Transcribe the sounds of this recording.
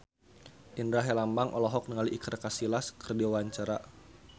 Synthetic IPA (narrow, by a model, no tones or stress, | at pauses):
ʔindɾaɦelambaŋʔɔlɔɦɔk̚nəŋaliʔikərkasilaskərdiawaɲt͡ʃaɾa